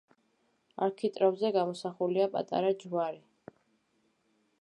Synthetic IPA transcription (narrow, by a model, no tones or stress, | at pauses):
a̰ɾkʰit̪ʼɾabzɛɡamɔsaχuliapʼa̰t̪ʼa̰ɾad͡ʒvaɾi